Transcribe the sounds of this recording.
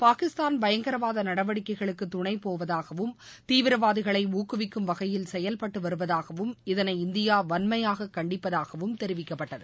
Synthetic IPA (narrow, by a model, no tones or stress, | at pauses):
paːkɪst̪aːnbɐjɐŋɡɐɾɐʋaːðɐnɐɽɐʋɐɽɪkːɐɪɣɐɭɯkːɯt̪ːʊɳɐɪpoːʋɐðaːɣɐʋɯm | t̪iːʋɪɾɐʋaːðɪɣɐɭɐɪuːkɯʋɪkːɯmʋɐɣɐjɪlsɛjɐlpɐʈːɯʋɐɾɯʋɐðaːɣɐʋɯmɪðɐnɐɪɪnd̪ɪjaːʋɐnmɐjaːɣɐkːɐɳɖɪpːɐðaːɣɐʋɯmt̪ɛɾɪʋɪkːɐpːɐʈːɐðɯ